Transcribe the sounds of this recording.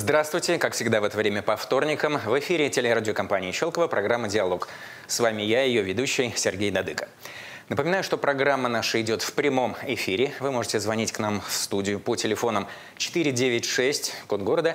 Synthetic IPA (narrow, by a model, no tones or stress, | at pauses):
zd̪ɾast̪vʊjtʲɪkakfsʲɪɡd̪avɛt̪əvɾʲemʲəpɐft̪o̞rnʲɪkəmvɪfʲiɾʲɪtʲelʲɪɾadʲɪokɐmpanʲɪːɪɕo̞lˠkəvəpɾʔɐɡɾamːədʲɪɐlˠo̞k | svamʲɪjajɪjovʲɪd̪uɕːɪjsʲɪrɡʲejd̪ɐd̪ɨkə̥ | nəpəmʲɪnajʊʂt̪o̞pɾɐɡɾamːənaʂəɪdʲo̞t̪fpɾʲɪmo̞mɪfʲiɾʲɪvɨmo̞ʐɨtʲɪzvɐnʲitʲknamfst̪udʲɪjʊpotʲɪlʲɪfo̞nəm | t͡ɕɪ̥t̪ɨɾʲɪdʲevʲɪtʲʂɛsʲtʲkonɡo̞ɾəd̪ə